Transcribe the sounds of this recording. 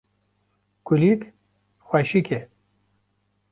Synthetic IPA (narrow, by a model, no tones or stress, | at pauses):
kulik | xwɛʃike